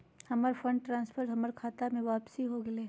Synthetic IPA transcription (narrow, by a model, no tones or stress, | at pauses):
hɐməɾfʰə̃ɳɖ̚ʈɾãːnspʰəɾʈɦɐməɾkʰaːt̪amẽʋaːpsiɦoɡɐle